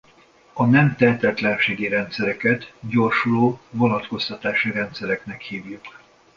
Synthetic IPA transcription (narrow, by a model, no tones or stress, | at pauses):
ɒnɛmt̪ɛt̪ɛt̪lɛnʃeːɡiɾɛnt̪sɛɾɛkɛt̪ɟo̞rʃuloːvo̞nɒt̪ko̞st̪ɒt̪aːʃiɾɛnt̪sɛɾɛknɛkhiːvjuk